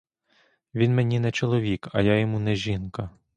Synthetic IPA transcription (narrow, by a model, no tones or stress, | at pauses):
ʋʲinmenʲinɛt͡ʃɔlˠɔʋʲikɐ̰jajɔmunɛʒʲinkɐ